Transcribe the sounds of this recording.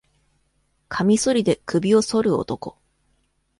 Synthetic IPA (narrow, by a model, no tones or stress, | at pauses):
kʰamʲiso̞ɾʲid̪e̞kɯ̟bʲio̞so̞ɾɯ̟o̰t̪o̞ko̞